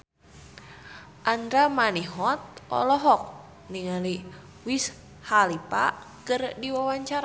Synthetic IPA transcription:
ʔand̪ɾamaniɦɔt̪̚ʔɔ̰lɔɦɔk̚ | niŋali | wis | halipa̰ | kərdiwawaɲt͡ʃaɾa

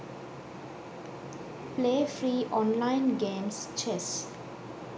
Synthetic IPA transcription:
pleːfɾiːʔɔ̃ːnlãɪ̃nɡẽːmst͡ʃes

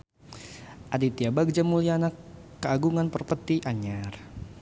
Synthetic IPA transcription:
ʔadit̪iabaɡ̚d͡ʒamulianakː | əaɡuŋanpərpət̪iʔaɲar

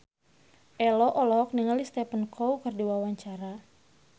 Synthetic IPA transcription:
ʔɛlɔʔɔlɔk̚niŋalist̪ɛpənkʰowkɨrdiwawaɲt͡ʃaɾa

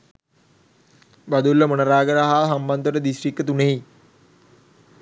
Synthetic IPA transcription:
bad̪ulːəmonəɾaːɡəɾaɦaːɦamband̪əʈəd̪isrikːət̪uneɦi

